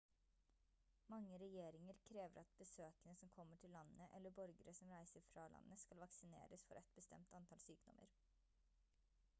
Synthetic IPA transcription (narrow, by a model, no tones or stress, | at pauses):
mɑŋːəɾɛjeːɾɪŋəɾkʰɾeːʋəɾʔɑt̪̚bəsøːkənəsɔmkʰɔmːəʈʰɪlːɑnːəʔɛ̰lːəbɔɾɡəɾəsɔmɾæɪsəɾfɾɑlʔɑ̰nːəskɑlʋɑksɪnḛːɾəsfɔɾʔɛt̪̚bəst̪ɛ̰mt̪ɑnt̪ʰɑːlsyːkd̪ɔ̰mə̰ɾ